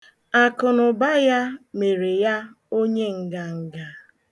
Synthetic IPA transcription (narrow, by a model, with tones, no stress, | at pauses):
a˨kʊ˨nʊ˨ba˦ja˦me˨ɾe˨ja˦ | o˦ɲe˦ŋ̩˨ɡa˨ŋ̩˨ɡa˨